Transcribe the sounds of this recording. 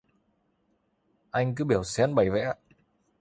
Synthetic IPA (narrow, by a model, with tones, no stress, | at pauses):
ʔa˧jŋ̟kɨ˨˦ɓi˧˩əwsɛ˧˥nɓə˨˧˩jvɛ̰˧˥